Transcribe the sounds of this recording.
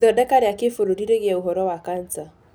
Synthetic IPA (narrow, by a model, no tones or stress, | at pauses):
ɔdakaɾeakefuɾuɾiɾeɣjauɦɔɾɔwakant͡sa